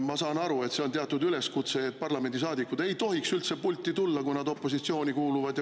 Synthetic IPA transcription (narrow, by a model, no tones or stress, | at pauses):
mɑsɑːnɑɾue̞t̪se̞ont̪eɑt̪ːˑud̪yle̞skut̪se̞ːt̪̚ːpɑrlɑme̞nd̪is̬ɑːd̪ikːud̪e̞jt̪o̞ɦiksylt̪sepulʲt̪ːˑit̪ulːɑkujnɑd̪o̞pːo̞sit̪sio̞ːnʲikuːluvɑd̪j